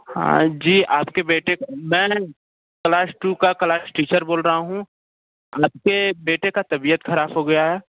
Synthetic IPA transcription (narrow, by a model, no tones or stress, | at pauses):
hã̰ːd͡ʒiːaːpkebeːʈekmɛ̃ː | klaːsʈuːkaklaːsʈiːt͡ʃəɾboːlɾɐɦaɦũ | aːp̚kebeːʈekat̪ɐbiːət̪xɐɾaːbɦoɡɐjaɦɛː